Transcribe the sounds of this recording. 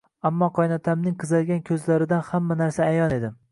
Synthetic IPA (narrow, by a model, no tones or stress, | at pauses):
amːɒqʰɒjnɒt̪ʰamnɪŋqʰɨzalɡʲankʲʰɵzlaɾɪd̪anhamːanaɾsaːjɒne̞d̪ɪm